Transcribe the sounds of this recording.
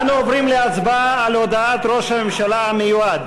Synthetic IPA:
nuovɾimleasbaːlod̪aat̪ɾoʃamemʃalaamejuad̪

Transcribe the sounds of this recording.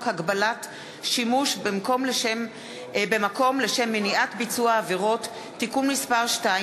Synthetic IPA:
khaɡbalat | ʃimuʃbemko̞mleʃem | be̞mako̞mle̞ʃe̞mːiniʔatbit͡suaːveʁo̞tː | ikumnispaʁʃta

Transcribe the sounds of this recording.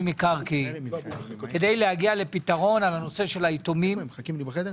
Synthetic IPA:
mikaʁki | ke̞de̞jlehaɡiale̞pitaʁo̞nalano̞se̞ʃe̞laitomimkimlied

